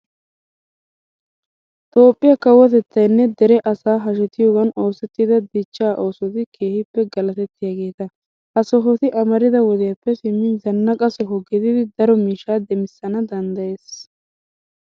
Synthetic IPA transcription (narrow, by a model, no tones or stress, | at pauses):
t̪o̞ːpʼːɪjakɐwːɔt̪ɛt̪ːɐjnːɛd̪ɛɾɛʔɐsaːɦɐʃ̬ɛt̪ɪjoːɡɐno̞ːsɛt̪ːɪd̪ɐd̪ɪt͡ʃːaːʔo̞ːsɔt̪ɪkʰe̞ːhɪpːɛɡɐlɐt̪ɛt̪ːɪjaːɡe̞ːt̪ɐ | hɐsɔɦɔt̪ɪʔɐmɐɾɪd̪ɐwɔd̪ɪjapːɛsɪmːɪnzɐnːɐkʼɐsɔɦɔɡɪd̪ɪd̪ɪd̪ɐɾɔmiːʃaːd̪ɛmɪsːɐnɐd̪ɐnd̪ɐje̞ːs